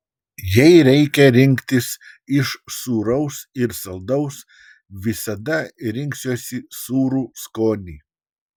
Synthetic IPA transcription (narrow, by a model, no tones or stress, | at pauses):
jɛɪɾʲɛɪkʲɛɾʲɪŋʲkt̪ʲɪs | ɪʃsuːɾɐʊsɪɾsɐlˠd̪ɐʊs | ʋʲɪsɐd̪ɐɾʲɪŋʲksʲoːsʲɪsuːɾuːskoːnʲiː